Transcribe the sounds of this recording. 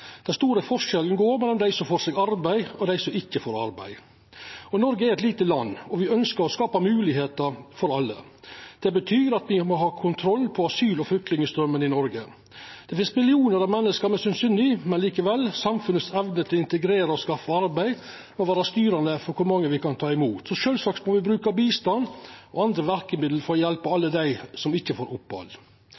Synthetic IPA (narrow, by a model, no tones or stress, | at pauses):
d̪̥ɛnst̪uːɾəfɔʂɛlən̩ɡoːɾmɛlːɔmd̪æɪsɔfoːɾʂɛɡɑɾbæɪɔd̪æɪsɔɪkːəfoːɾɑ̰ɾbæ̰ɪ | ɔnɔɾɡəæɾɛt̪liːt̪əlɑnːɔʋɪœnskəɾɔskɑːpɑmʉːlɪɦeːt̪əɾfɔɾɑlːə̰d̪̥ɛbət̪ʰyːɾɑt̪ʋɪmɔɦɑːkʰʊnt̪ʰɾɔlːpʰɔɑsyːlɔflʏk̚t̪ɪŋəst̪ɾœmːənɪnɔɾɡə | d̪̥ɛfɪnst̪mɪlɪuːnəɾɑʋmɛnːəskəɾmɛsynsyːnɪmɛnliːkəʋɛlːsɑmfʉnət̪sɛʋnət̪ʰɪlɪnt̪əɡɾeːɾəɔskɑfːəɑɾbæɪ | mɛɔʋæːɾəst̪yːɾɑnd̪əfɔɾkʰʊɾmɑŋːəʋɪkʰɑnt̪ʰɑːɪmuːt̪sɔʃøːlsɑːksmɔʋɪbɾʉːkɑbiːst̪ɑnɔɑnd̪ɾəʋæɾkəmɪd̪l̩fɔɾɔjɛlpəɑlːəd̪æɪsɔmɪçːəfoːɾʔʊpʋɑ̰l